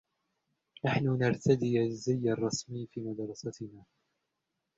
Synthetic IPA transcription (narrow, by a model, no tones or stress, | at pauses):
naħnʊnaɾˤt̪ad̪iːazːɪjːɑrˤːɑsmiːfiːmad̪ɾˤɑsat̪ɪnaː